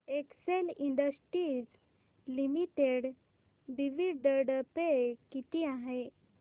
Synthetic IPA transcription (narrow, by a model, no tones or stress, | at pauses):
ekseliɳɖəsʈɾiːd͡z | limiʈeɽ | ɖiʋiɖəɽəpekit̪iaɦe